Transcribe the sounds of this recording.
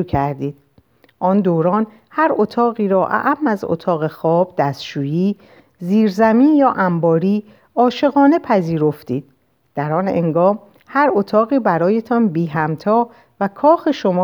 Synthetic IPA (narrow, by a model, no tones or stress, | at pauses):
ukʰæɾd̪iːd̪̥̚ | ʔɒːnd̪oːɾɒːn | hæɾot̪ʰɒːɣiːɾɒːʔæ̰ʔæmːæzo̰t̪ʰɒːɣexɒːb̥̚d̪̥æst̪ʃuːjiː | ziːɾzæmiːnjɒːʔæmbɒːɾiː | ɒːʃe̞ɣɒːne̞pʰæziːɾo̞ft̪iːd̪̥̚ | d̪̥æɾɒːnḛŋɡɒːm | hæɾot̪ʰɒːɣiːbæɾɒːje̞t̪ʰɒːnbiːɦæmt̪ʰɒː | vækʰɒːxeʃo̞mː